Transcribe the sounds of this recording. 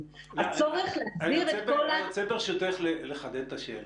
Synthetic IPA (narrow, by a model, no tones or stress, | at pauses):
at͡soʁeχleaziʁet̪olat͡sefeʁʃejot̪eχleleχad̪ent̪aʃel